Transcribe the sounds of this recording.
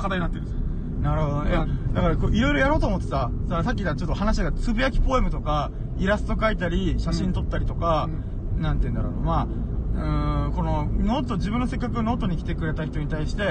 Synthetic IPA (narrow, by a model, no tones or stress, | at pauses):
kad̪aɲ̟inat̪ːeɾɯ | naɾɯ̟hod̪ojad̪akaɾakoʔiɾo̞iɾo̞jaɾo̞ːt̪oːmot̪ːesa | saɾsakʲːid̪at͡ɕo̞t̪ːoɦanaɕ̬iɡat͡sɨbɯ̟jakʲi̥po̞e̞mɯ̟t̪o̞ka | iɾasɨ̥t̪o̞kait̪aɾʲiɕaɕĩnt̪o̞t̪ːaɾʲit̪o̞ka | nãnt̪eiɯ̃nd̪aɾo̰nomaː | ɯ̟̃ko̞no̞no̞ːt̪o̞d͡ʑibɯ̟̃nːose̞kːakɯ̟no̞ːt̪o̞ɲ̟ikʲi̥t̪e̞kɯ̟ɾe̞t̪açʲi̥t̪o̞ɲ̟it̪aiɕi̥t̪e̞